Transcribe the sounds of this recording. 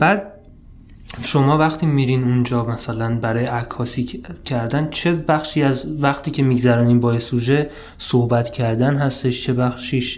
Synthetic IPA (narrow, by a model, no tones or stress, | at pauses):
b̥æːd̪̚ | ʃomɒːvæxt̪ʰiːmiːɾiːnund͡ʒɒːmæsælænbæɾɒːjeʔækʰːɒːsiːcʰæɾd̪ænt͡ʃʰebæxʃiːæzvæxt̪ʰiːcʰe̞miːɡzæɾɒːniːmbɒːesuʒe | sohbæt̪cʰæɾd̪ænɦæst̪e̞ʃt͡ʃʰe̞bæxʃiːʃ